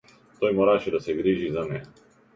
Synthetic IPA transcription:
t̪ɔjmɔɾaʃɛd̪asɛɡɾiʒizanɛ

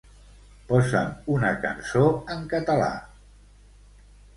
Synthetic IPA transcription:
pɔzə̰munəkə̰nsoəŋkət̪əla̰

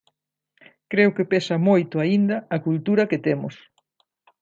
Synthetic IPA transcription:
kɾeʊkepesɐmojt̪ʊaind̪ɐːkult̪uɾɐkɪt̪emʊ̰s

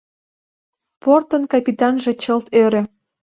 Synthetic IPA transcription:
port̪ənkɑpʲit̪ɑnʒe̽t͡ɕəlt̪øɾĕ

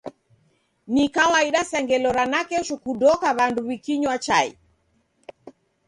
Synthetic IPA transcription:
nikawaiɗasɛŋɡɛlɔɾanakɛʃukudɔkaβanduβikiɲwat͡ʃaḭ

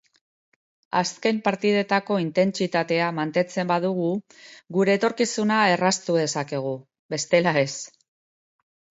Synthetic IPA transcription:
aske̞mpaɾt̪ið̞e̞t̪ako̞int̪e̞nt͡sit̪at̪e̞amant̪e̞nt͡se̞mbaðuɣu | ɣuɾe̞ːt̪o̞ɾkisunae̞rast̪uð̞e̞sake̞ɣ̞u | βe̞st̪e̞lae̞s

